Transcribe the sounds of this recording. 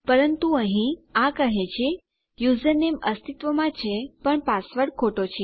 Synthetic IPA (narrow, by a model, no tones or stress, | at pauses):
pəɾənt̪uəɦĩakəɦẽt͡ʃʰe | juzəneməst̪ʰit̪ʋəmãt͡ʃʰepəɳpasʋəɽkʰoʈot͡ʃʰe